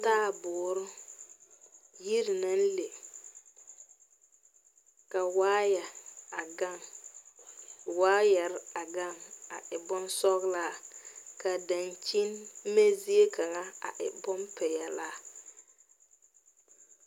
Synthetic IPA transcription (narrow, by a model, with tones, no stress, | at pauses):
taː˦˨bʊː˨ɾʊ˦ | ji˦ɾɪ˨na˦n̩˦le˨ | ka˨waː˦jɛ˨a˨ɡa˦˨ŋ | waː˦jɛ˨ɾɪ˦a˨ɡa˦˨ŋa̰˨ʔɪ˨bɔ˦n˦sɔ˦ɣlaː˦ka˨da˨nt͡ʃi˦nme˦zi˦e˦ka˨ŋa˦a̰˨ʔɪ̰˨bɔ˦mpɛ˨ja˨laː˦